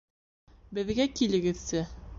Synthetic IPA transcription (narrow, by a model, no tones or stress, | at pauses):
bɘ̆ðɡækilɘ̆ɡɘ̆ðsɘ